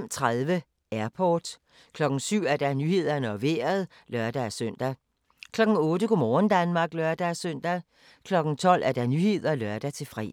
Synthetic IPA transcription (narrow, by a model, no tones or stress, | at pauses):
m̰t͡sʰʁaðˠʋə | æɐpʰɒːd̥ | kʰlɒ̽ɡ̥n̩syʊ̰æɐd̥ænyhe̝ð̞̰ˠɐnəɒʋe̝ːɐð̞̩ˠ | lɶɐd̥ææsøn̰d̥æ | kʰlɒ̽ɡ̥n̩ɔ̽ːdəkʰomɒːnd̥ænmɑ̈ːɡ̥lɶɐd̥ææsøn̰d̥æ | kʰlɒ̽ɡ̥n̩t͡sʰɒ̽l̰ʔæɐd̥ænyhe̝ð̞̰ˠɐlœɐd̥æt͡sʰe̝fʁḭː